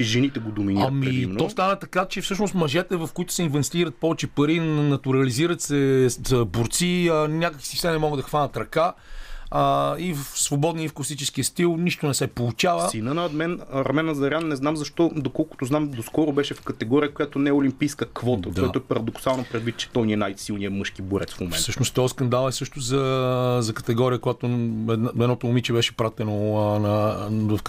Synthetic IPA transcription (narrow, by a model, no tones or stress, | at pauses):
iʒɛnit̪ɛɡod̪ominamiimnt̪ɔst̪anɐt̪ɐkat͡ʃɛfsɤʃnost̪mɐʒɛt̪ɛvɐfkoit̪ʊ̥sɛinvɛnsʲt̪iɾət̪̚pɔvɛt͡ʃɛpɐɾinɐt̪uɾɐliziɾət̪sɛzəboɾt̪siənʲakəkvi̥sifsɛnɛmɔɡəd̪d̪ɐxvanət̪ɾɐka | əivfsvobɔd̪niəfklˠsit͡ʃɛsk̟iəst̪ilˠniʃt̪onɛsɛpolˠut͡ʃavəsinənɐot̪mɛnɾɐmɛnɐzɐɾʲjanːɛznamzɐʃt̪ɔd̪okɔlˠko̥t̪oznamd̪oskɔɾʊbɛʃɛfkɐt̪ɛɡɔɾiəkojat̪onɛʊlimpijskəkvɔt̪əd̪aɔat̪oɛpɐɾɐd̪oksalˠnopɾɛd̪vit̪̚t͡ʃɛ̥t̪ɔjniɛnajsilˠnijəmɤʃkiboɾɛ̰t̪sfmomɛnsɤʃnost̪ɔskɐnd̪alˠɛsɤʃt̪ozɐzɐkɐ̥t̪ɛɡɔɾijəkojat̪oɛd̪nɛd̪nɔt̪ʊːmit͡ʃɛbɛʃɛpɾat̪ɛnonɐvɐfk